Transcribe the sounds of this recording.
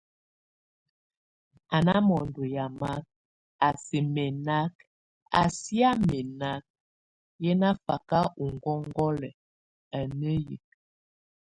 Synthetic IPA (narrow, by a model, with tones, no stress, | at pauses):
a˨na˦mɔ˨ndo˨ja˨ma˦k̚ | a˨se˨mɛ˨na˦k | a̰˨si˦a˦me˨na˦k̚ | jɛ˦na˦fa˨ka˦u˨ŋɡɔ˦ŋ˦ɡɔ˦lɛ˨ | a˨nə˦jḭ˨k̚